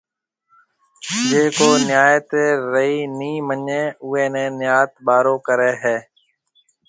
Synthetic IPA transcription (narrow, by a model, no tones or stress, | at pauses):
d͡ʒeːkoːnɪjaːjt̪eːɾəiːnĩːməɲẽːʊẽːnẽːnɪjaːt̪ɓaːɾoːkəɾeːɦɛː